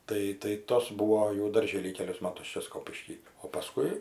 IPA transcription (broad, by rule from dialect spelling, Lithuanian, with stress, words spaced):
ˈtɐɪ tɐɪ ˈtoːs ˈbuːoː jɛʊ dɐrʲˈʒʲeːlʲiː ˈkʲæːlʲʊs ˈmɑːtʊs ˈt͡ʃʲɛ ˈskoːpʲɪʃʲkʲiː oː pɐˈskʊɪ